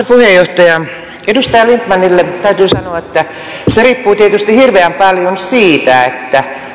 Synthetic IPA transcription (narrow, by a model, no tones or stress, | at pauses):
puhejoht̪ɑjɑ | edust̪ɑjɑlint̪mɑnːilːet̪æyt̪yːsɑnoɑet̪ːæ | seriːpːuːt̪iet̪yst̪ihirʋeæmpɑljonsiːt̪æet̪ːæ